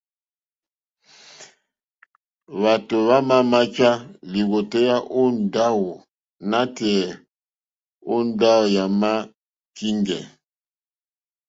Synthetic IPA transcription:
βa˨to˨βa˦ma˦ma˦t͡ʃa˦li˨ɣo˨tɛ˦ja˦ʔo˦n̩˨da˦wo˨ | na˦tɛ˨ | o˦n̩˦da˦o˨ja˨ma˦ | ki˦ŋɡɛ̰˨

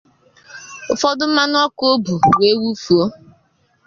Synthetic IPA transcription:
ʊ˨fɔ˦dʊ˦m̩˦ma˦nʊ˦ɔ˦ko˦bu˨we˦wu˦fu˨o˦

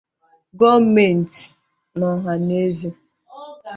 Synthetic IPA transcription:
ɡɔ˦me˨n̩˨ti̥˨ | nɔ˨ɦa˨ne˦zi˦

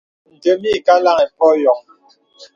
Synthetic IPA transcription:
n̩˨tə˨˦mi˦˨ka˦la˦ŋɛ˨pɔ˦jɔ˨ŋ̚

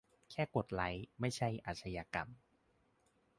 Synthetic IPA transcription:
kʰɛː˥˩ko˨˩t̪̚la˩˦jma˥˩jt͡ɕʰa˥˩jʔa̰ː˨˩t̪̚sʰa˧jaː˧ka˧m

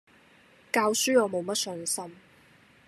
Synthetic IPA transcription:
kaː˧wsyː˥ɔː˨˧mo˨˧wmɐ˥t̚sɵ˨˧˥nsɐ˥m

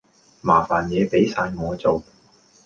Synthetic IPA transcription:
maː˨˩faː˨njɛː˨˧pe˨˥jsaː˧jŋɔː˨˧t͡so˨w

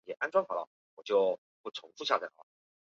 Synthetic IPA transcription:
jɛ˨˩ʔa˥nʈ͡ʂwɑ˥ŋxɑ˨˩˥lə̰˧ | wɔ˨˩t͡ɕjo˥˩˧ʊ | pu˥˩ʈ͡ʂʰʊ˧˥ŋfu˥˧ɕja˥˩a̰˨˩lə̰˦

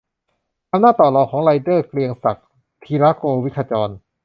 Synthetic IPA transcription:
ʔa˧mnaː˥˩t̪ɔː˨˩lɔː˨˧˩kʰɔː˩˦ŋla˧jdɤː˥˩kli˧əŋsa˨˩k̚ | t̪ʰiː˧ɾaː˦˥koː˧wi˦˥kʰa˧t͡ɕɔː˧n

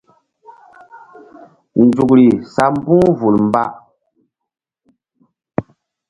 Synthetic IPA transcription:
n̩˨d͡zu˨kɾi˨sa˨m˦bu˦ŋvu˨lm˨ba̰˦ʔ

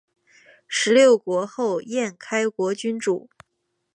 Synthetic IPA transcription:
ʂɻ̩˧˥ljo˥˩ʊkwɔ˧˥xo˥˧ʊjɛ˥˩nkʰa˥ɪkwɔ˧˥t͡ɕy˥nʈ͡ʂu˨˩˦

